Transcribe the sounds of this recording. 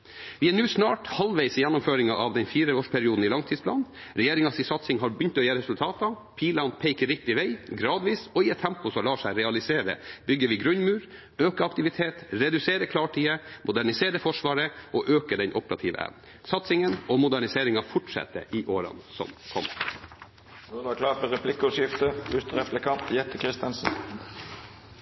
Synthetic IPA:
ʋɪæɳʉːsnɑːʈhɑlʋæɪsəjɛnːʊmføːɾɪŋɑʔɑʋd̪ɛnfiːɾəoːʂpʰæɾɪuːd̪n̩ɪlɑŋt̪ʰiːspʰlɑ̰ːn | ɾɛjeːɾɪŋɑsɪsɑt̪sɪŋɦɑɾbʏnt̪ɔjeːɾəɾɛsʉlt̪ʰɑːt̪ɑ | pʰiːlɑnpʰɛɪkːəɾɪk̚t̪ɪʋeɪɡɾɑːd̪ʋiːsɔɪɛt̪ʰːɛmpʊsɔlɑːʂæɪɾɛɑlɪseːɾə̰bʏɡːəʋɪɡɾʉnmʉːɾ | øːkəɑkt̪ɪʋɪt̪ʰeːt̪ɾɛd̪ʉseːɾəkʰlɑːʈʰiːəmʊd̪æɳɪseːɾəfɔʂʋɑːɾəʔɔʔøːkəɖɛnʔɔpəɾɑ̰t̪ʰiːʋə̰ʔæ̰n | sɑt̪sɪŋənɔmʊd̪æɳɪseːɾɪŋɑfʊʈʂɛ̰t̪ːə̰ʔɪʔoːɾɑ̰nsɔ̰mkʰɔmːə | nɔd̪ɛʋɑkʰlɑːʈ̪məʁɛpʰlɪkːʊʃjɪft̪əʉst̪əʁɛpləkʰɑnt̪jɛt̪ːəkʰɾɪst̪ənsn̩

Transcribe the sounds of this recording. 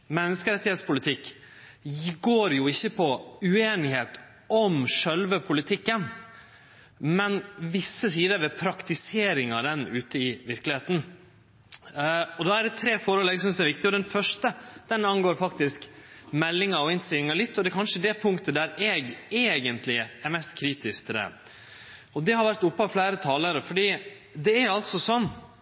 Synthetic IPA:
mɛnːəskəɾɛt̪ːɪhet̪spʊlɪt̪ʰɪkː | ɡoːɾjʊɪçːəpʰɔʉeːnɪɦeːt̪ | ɔmʂœlʋəpʰʊlɪt̪ʰɪkːən | mɛnʋɪsːəsiːd̪əɾʋɛpʰɾɑkt̪ɪseːɾɪŋɑd̪ɛnʉːt̪əɪʋɪɾklɪheːt̪n̩ | ɔd̪ɑæɖɛt̪ʰɾeːfɔːɾəlɛɡs̬ʏnsd̪ɛæɾʋɪk̚t̪ɪɔd̪ɛnfœʂʈəd̪̥ɛnɑnɡoːɾfɑkt̪ɪsk | mɛlːɪŋəɾɔɪnst̪ɪlɪŋəɭɪt̪ːɔd̪ɛæɾkʰɑnʂəd̪ɛpʰʊŋkt̪əd̪æɾeːɡeːɡənt̪lɪæɾmɛst̪kʰɾiːt̪ɪskt̪ʰɪld̪ɛ̰ | ɔd̪ɛhɑɾʋæɾʈ̪ʊpːəɑʋflæːɾət̪ʰɑːləɾəfɔɖiː | d̪ɛæɾɑlt̪sɔsɔmː

